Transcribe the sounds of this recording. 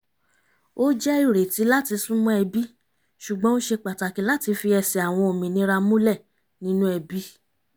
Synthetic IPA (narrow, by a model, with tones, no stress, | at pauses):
o˦d͡ʒɛ˦i˦˨ɾe˨ti˨˦la˦ti˧sũ˦mɔ̃˦ɛ˧bi˦ | ʃu˨ɡ͡bɔ̃˦ñ̩˦ʃe˧k͡pa˨ta˨kĩ˨˦la˦ti˧fi˧ɛ˧sɛ˨a˨w̃ɔ̃˧o˨mĩ˨nĩ˨˦ɾa˧mũ˦lɛ˦˨ | nĩ˦nũ˦ɛ˧bi˦